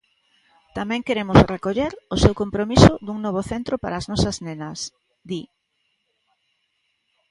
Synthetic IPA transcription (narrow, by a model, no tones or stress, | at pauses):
t̪amɛ̃ŋkeɾemʊsrekoʎeɾʊsewkompɾomisʊd̪uŋnɔβ̞ʊθent̪ɾʊpa̰ɾaːznɔsɐznenɐs | d̪i